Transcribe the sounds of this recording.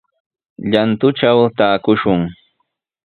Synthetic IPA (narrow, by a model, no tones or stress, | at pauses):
ʎant̪ʊʈ͡ʂawt̪aːkʊʃʊŋ